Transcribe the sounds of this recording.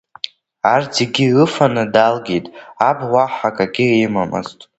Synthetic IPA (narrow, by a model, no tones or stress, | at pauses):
ard͡zʰeɡʲiɨfanɨdalɡʲejtʼabwʷaħakʼaɡʲiemamɨ̰ztʼ